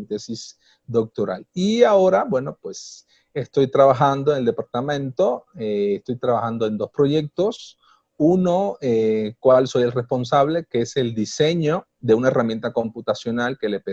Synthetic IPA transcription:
nt̪esis | d̪o̞k̚t̪o̞ɾa̰liao̞ɾabwe̞no̞pwe̞s | est̪o̞jt̪ɾaβaxand̪o̞eŋeld̪e̞paɾt̪amẽnt̪o̞eːst̪o̞jt̪ɾaβaxand̪oe̞nd̪o̞spɾo̞ʝe̞k̚t̪o̞s | unoekwalso̞jelrespo̞ns̬aβle̞keese̞ld̪ise̞ɲo̞ | ðe̞unaeramje̞nt̪ako̞mput̪asjo̞nalke̞lepe

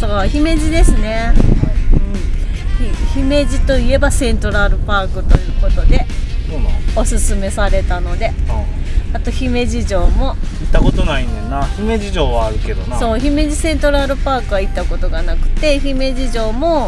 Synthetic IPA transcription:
soçime̞ʑid̪e̞sɨne̞ | ɯ̟̃ːɴ | içime̞d͡ʑit̪o̞ie̞basẽ̞nt̪oɾaɾɯ̟paːkɯ̟t̪o̞jɯ̟ːko̞t̪o̞d̪e̞sono̞sɨsɨme̞saɾe̞t̪ano̞d̪e̞ | at̪o̞çime̞ʑiʑo̞ːmo̞it̪ːako̞t̪o̞naĩnd̪enːaçime̞ʑiʑo̞ːβaːɾɯ̟ke̞d̪o̞naso̞ːçime̞ʑisẽ̞nt̪o̞ɾaɾɯ̟paːkɯ̟ait̪ːako̞t̪o̞ɡanakɯ̟̥t̪e̞çime̞ʑiʑo̞ːmo̞

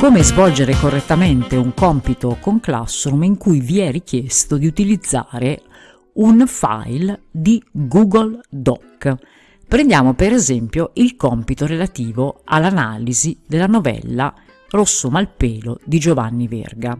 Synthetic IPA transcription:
koːmezvɔld͡ʒeɾekorːet̪ːament̪euŋkɔmpit̪okoŋkla̰sːɾumiŋkujviɛrikjest̪od̪iut̪ilid̪zːaːɾe | unfa̰jld̪iɡuɡold̪ɔk | pɾẽnd̪jaːmopeɾezɛmpjoilkɔmpit̪oɾelat̪iːvoalːanaːlizid̪elːanovɛ̰lːa | rosːomalpeːlod̪id͡ʒovanːivḛrɡa

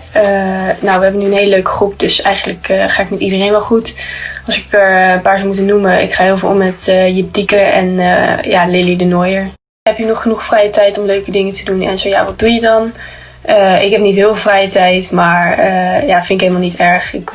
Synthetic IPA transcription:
ənowʋəɦɛbənyənɦejləløɥkə̥χrup̚dɵsɛjχənləkːχaːɪkmɛtidərejnʋɛlˠχutɑlˠsɪkəəpaːɹsomutənːuməɪ̰kχaːɦɪːlˠvɪlˠɔ̰mːɛtəjip̚dikəɹɛ̰n̰jalɪlidənojəɹ | ɛpjənɔχənuχfrɛjətɛjtɔmløɥkədɪŋətədunɛ̰nzowja̰ːʋɑt̚dunjədɑn | əɪkɦɛp̚nitɦɪːlˠvɪlvrɛjətɛjtmaːɹəjaːfɪnɪkeːləmalˠnitɛɹχɪk

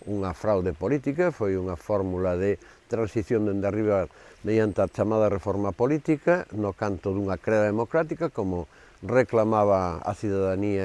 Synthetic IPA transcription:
uŋɐfɾawðepolit̪ikɐfojuŋɐfɔɾmulɐðɪ | t̪ɾansiθjond̪end̪ariβɐ | meðjant̪eat͡ʃamaðɐrefɔɾmɐpolit̪ikɐnokant̪ʊðuŋɐkɾeðaðemokɾat̪ikɐkomʊ | reklamaβɐɐ̰θiðaðaniɐ

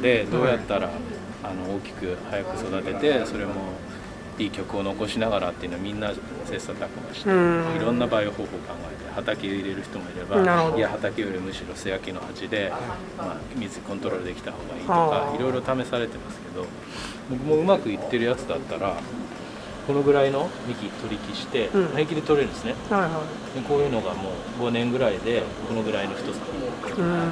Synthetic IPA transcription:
d̪e̞d̪o̞ːjat̪ːaɾa | ano̞oːkʲi̥kɯ̟hajakɯ̟̥so̞d̪at̪e̞t̪e̞so̞ɾe̞mo̞ | iːkʲo̞kɯ̟o̞no̞ko̞ɕinaɣaɾat̪ːe̞iɯ̟noamʲĩnːa | se̞ːsat̪akɯmaɕi̥t̪eiɾõ̞nːabaːioho̞ːho̞ːkãŋɡae̞t̪e̞hat̪akʲeoiɾe̞ɾɯ̟çi̥t̪o̞mo̞iɾe̞baiahat̪akʲejoɾʲimɯ̟ɕiɾo̞seakʲino̞had͡ʑid̪e̞ | maːmʲizɨikõ̞nt̪o̞ɾo̞ɾɯ̟d̪e̞kʲi̥t̪aho̞ːɡaiːokaiɾo̞jiɾo̞t̪ame̞saɾe̞t̪e̞masɨ̥ke̞d̪o̞ | bok̬ɯ̟mo̞ɯ̟makɯ̟it̪ːe̞ɾɯ̟jat͡sɨd̪at̪ːaɾa | ko̞no̞ɡɯ̟ɾaino̞mʲikʲit̪o̞ɾʲikʲiɕi̥t̪e̞maikʲid̪e̞t̪o̞ɾeɾɯ̟nesɨneha | d̪eko̞ːjɯ̟ːnoɡamo̞ː | ɡo̞nẽ̞ŋɡɯ̟ɾaid̪e̞ | ko̞no̞ɡɯ̟ɾaino̞çi̥t̪o̞t͡sɨ̥k̪okoka

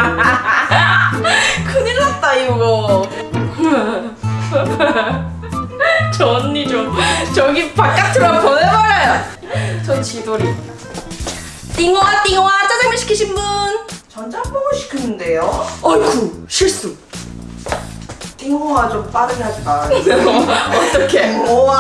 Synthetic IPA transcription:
kʰɯɲiɾat̚t͈aiɡɡʌ | t͡ɕʌnːit͡ɕomt͡ɕʌɡipak͈atʰɯɾʌɡʌbaɾaj | t͡ɕʌnt͡ɕidoɾia | tiŋowat͈iŋowat͡ɕ͈ad͡ʑamɯɕʰi̥kʰiɕʰimbunt͡ɕʌnd͡ʑampoɡoɕʰi̥kʰɯnɯnde̞joʌɭkʰuɕʰiɭs͈u | t͈iŋowat͡ɕomp͈aɾɯɡeɦad͡ʑimaɾaɾeʌt͈ʌkʰe̞o

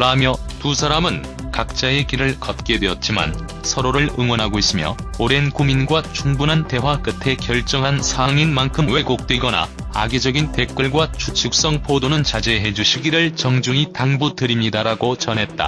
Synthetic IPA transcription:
kɯɾamjʌtusʰaɾamɯn | kak̚t͡ɕ͈ae̞kiɾɯɭkʌt̚k͈e̞dwe̞ʌt̚t͡ɕ͈ima̰n | sʰʌɾoɾɯɭɯŋwʌnɦaɡois͈ɯmjʌ̰oɾe̞nkuminɡwat͡ɕuŋbunɦante̞wak͈ɯtʰe̞kjʌɭt͡ɕ͈ʌŋɦansʰaŋinmankʰɯmwe̞kok̚t͈eiɡʌna̰ | a̰ɡid͡ʑʌɡinte̞k͈ɯɭɡwat͡ɕʰut͡ɕʰuk̚s͈ʌŋpʰodonɯnt͡ɕad͡ʑe̞ɦe̞d͡ʑuɕʰiɡiɾɯɭt͡ɕʌŋd͡ʑuŋitaŋbudɯɾimɲidaɾaɡot͡ɕʌnɦe̞t̚t͈a̰

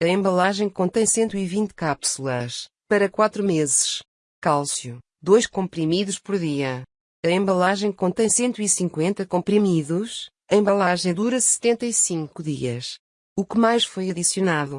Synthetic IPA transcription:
ɐẽmbɐlˠaʒɐ̃j̃kõnt̪ɐ̃j̃sẽnt̪uivĩnt̪kapsulˠɐʃ | pɐɾɐkwat̪ɾumezɨʃ | kalˠsju | d̪ojʃkõmpɾimiðuʃpɔɾðiɐ | ɐẽmbɐlˠaʒɐ̃j̃kõnt̪ɐ̃j̃sẽnt̪uisĩŋkwẽnt̪ɐkõmpɾimiðuʃ | ɐẽmbɐlˠaʒɐ̃j̃d̪uɾɐsɨ̥t̪ẽnt̪ɐisĩŋkuðḭɐ̰ʃ | ukɨmajʃfojɐðisjunaðu

